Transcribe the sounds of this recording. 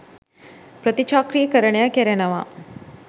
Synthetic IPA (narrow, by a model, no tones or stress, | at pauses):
pɾət̪it͡ʃaːkɾijəkəɾəɳejakɛɾɛnɐʋaː